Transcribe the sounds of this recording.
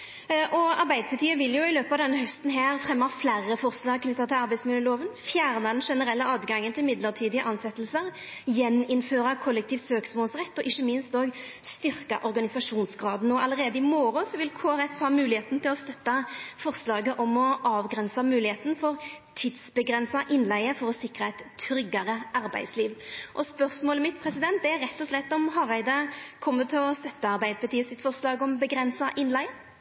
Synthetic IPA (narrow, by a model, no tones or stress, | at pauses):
ʔɔɑɾbæɪd̪əpʰət̪ʰiːəʋɪljʊɪløːpəɑːʋd̪ɛnːəɦœst̪n̩ɦæːʁfʁɛmːɑflæʁːəfɔʁslɑːɡkʰnʏt̪ːɑt̪ʰɪlɑɾbæɪsmɪljəloːʋənfjæːʁnɑd̪ɛnʂɛnəɾɛlːəɑːd̪ɡɑŋːənt̪ʰɪlmɪd̪ləʁt̪ʰiːd̪ɪəʔɑnsɛt̪ːlsəʁ | jɛnːɪnføːɾʁɑkʰɔlːəkt̪iːʋsøːksmoːlsʁɛt̪ːɔʔɪçːəmɪnst̪oːɡ | st̪ʏʁkɑ̰ʔɔʁɡɑnɪsɑʂuːnsɡʁɑːd̪nːoːɑləʁeːd̪əɪmoːɾɔsɔʋɪlkʰoːʁɛt̪ːhɑːmʉːlɪheːt̪n̩t̪ʰɪlɔst̪œt̪ːɑfɔʁslɑːɡəʔɔmɔɑːʋɡɾɛnsɑmʉːlɪheːt̪ənfɔʁt̪ʰɪd̪sbəɡɾɛnsɑʔɪnlæɪəfɔɾɔsɪkɾəɛɪt̪ʰːɾʏɡːɑɾəʔɑɾbæ̰ɪd̪sliːʋʔɔspœʁsmoːləmɪt̪̚pʰɾɛsɪd̪ɛnt̪̚d̪ɛæɾʁɛt̪ːɔslɛt̪ːɔmɦɑʁæɪd̪əkʰɔmːət̪ʰɪlɔst̪œt̪ːəɑʁbæɪd̪pɑt̪ʰiːəsɪt̪fɔʁslɑːɡɔmbəɡɾɛnsɑʔɪnlæɪə